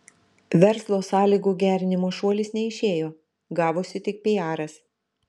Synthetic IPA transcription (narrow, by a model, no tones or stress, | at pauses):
ʋʲɛɾslˠoːsɑːlʲiɡuːɡʲæːɾʲɪnʲɪmoːʃuɔlʲɪsnʲɛɪʃʲeːjoː | ɡɑːʋʊsʲɪt̪ʲɪk̚pʲɪjɑːɾɐs